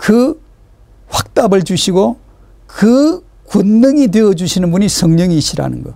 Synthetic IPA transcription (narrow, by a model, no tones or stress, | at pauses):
kɯ | ɸwak̚t͈abɯɭd͡ʑuɕʰiɡo | kɯ | kunːɯŋidweʌd͡ʑuɕʰinɯnbuɲisʰʌŋɲʌŋiːɕʰiɾa̰nɯ̰nɡʌ̰